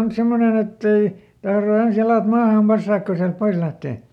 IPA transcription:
on semːonen etːei tɑhro ens jɑlɑˑt mɑːhɑm pɑsːɑːk ko siælt pois læhteˑ

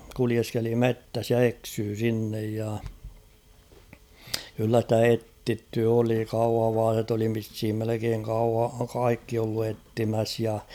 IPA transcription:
kulieskeli metːæs jɑ eksyː sinːej jɑ kylːæ stæ etːitːy oli kɑuhɑʋɑːset oli ʋishim melekeːŋ kɑu kɑikːi olːu etːimæs jɑ

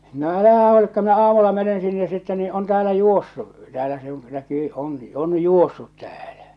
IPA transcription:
no ælæhæ huolikːɑ minæ ɑːmulːɑ menen sinːe sitːe niː on tæːlæ juosːu tæːlæ se õː nækyː oŋki on juosːut tæ̥ːl̥æ̥

